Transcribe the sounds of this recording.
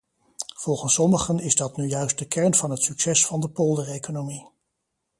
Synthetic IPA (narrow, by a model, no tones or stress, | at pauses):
v̥ɔlˠχənsɔməχənɪzdɑtnyjœɥst̚dəkɛɹnv̥ɑnɦətsyksɛsfɑndəpolˠdərejkonomi